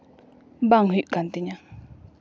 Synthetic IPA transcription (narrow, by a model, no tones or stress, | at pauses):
baŋɦiʔkant̪iɲã